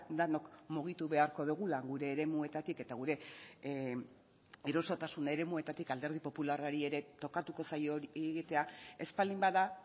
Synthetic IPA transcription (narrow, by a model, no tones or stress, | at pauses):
d̪ano̞kmuɣ̞it̪uβe̞aɾko̞ðuɣ̞ulaɣuɾe̞ːɾe̞mue̞t̪at̪ike̞t̪aɣ̞uɾe̞ | iɾo̞so̞t̪asune̞ɾe̞mue̞t̪at̪ikald̪e̞ɾð̞ipo̞pularaɾie̞ɾe̞t̪o̞kat̪uko̞sajoɣit̪e̞ae̞spalimbaða